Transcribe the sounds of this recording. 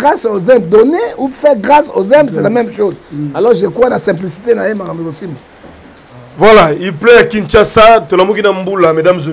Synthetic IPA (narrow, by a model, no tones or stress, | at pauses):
ɡʁasozɛ̃mb̚d̪oneufɛʁɡʁaso̰zɛ̃mbselamɛmʃozalɔʁʒekwanasɛ̃p̬lisit̪enajemaʁambikosimo | vwalaiplɛjakint͡ʃasatolamukinambulamedamz